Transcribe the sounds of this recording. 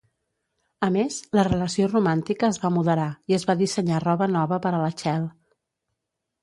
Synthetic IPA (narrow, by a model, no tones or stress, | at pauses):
əmezlərələsiorumant̪ikəːzβamuðəɾaiəzβaðisəɲarɔβənɔβəpəɾələt͡ʃɛlˠ